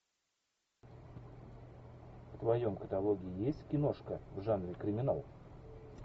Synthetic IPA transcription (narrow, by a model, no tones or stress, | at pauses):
ft̪vɐjo̞mkət̪ɐlˠo̞ɡʲɪɪjesʲtʲkʲɪno̞ʂkəvʐanɾʲɪkɾʲɪmʲɪna̰lˠ